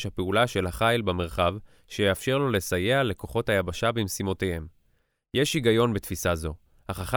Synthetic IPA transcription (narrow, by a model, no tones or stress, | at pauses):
ʃhapeulaʃelhaχajlbeme̞ʁχav | ʃejeafʃe̞ʁlo̞le̞sajeale̞ko̞χo̞thajabaʃabimsimo̞te̞jhe̞m | jeʃiɡajo̞nbet̪fisazo̞ | haχaχa